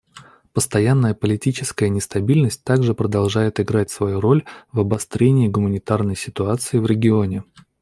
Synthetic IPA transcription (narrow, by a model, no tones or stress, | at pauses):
pəst̪ɐjanːəjəpəlʲɪtʲit͡ɕɪskəjənʲɪst̪ɐbʲilʲnəsʲt̚ʲt̪aɡʐɨpɾəd̪ɐlˠʐajɪt̪ɪɡɾatʲsvɐjuɾo̞lʲvɐbɐst̪ɾʲenʲɪɪɡʊmənʲɪt̪arnəjsʲɪt̪ʊat̪sɨɪvɾʲɪɡʲɪo̞nʲɪ